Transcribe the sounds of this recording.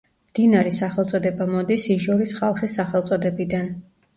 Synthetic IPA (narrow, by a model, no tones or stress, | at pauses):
md̪̥inaɾɛsaχɛlˠt̪sʼɔd̪ɛbamɔd̪isiʒɔɾisχalˠχisaχɛlˠt̪sʼɔd̪ɛbid̪an